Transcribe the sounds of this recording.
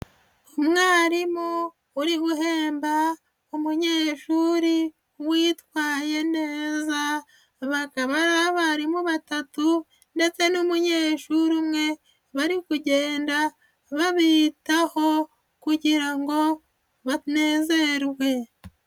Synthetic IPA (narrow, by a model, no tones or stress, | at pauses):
umwaːɾimo | uɾiɡuɦe̞ːmba | umuɲeːʃuɾi | wiːtwaːje̞ne̞ːza | βakaβaɾaβaɾimuβatatu | nde̞t͡se̞numuɲe̞ːʃuɾumŋe̞ | βaɾikuɟe̞ːnda | βaβiːtaho̞ | kuɟiɾaŋɡo̞ | βaneːze̞ɾwe̞